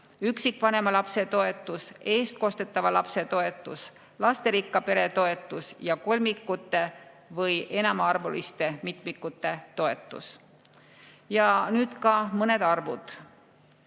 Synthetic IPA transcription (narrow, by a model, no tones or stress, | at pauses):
yksikːˑvɑne̞mɑlɑpse̞t̪o̞e̞t̪ːˑuse̞ːst̪̚ko̞st̪e̞t̪ːˑɑvɑlɑpse̞t̪o̞e̞t̪ːˑus | lɑst̪e̞ɾikːˑɑpe̞ɾe̞t̪o̞e̞t̪ˑːusjɑko̞lʲmikːˑut̪ːˑe̞ | vɤje̞nɑmɑɑrvulist̪e̞mit̪ˑmikːˑut̪ːˑe̞t̪o̞e̞t̪ːˑṵs | jɑnyːd̪̥kɑmɤne̞d̪̥ɑrvud̪̥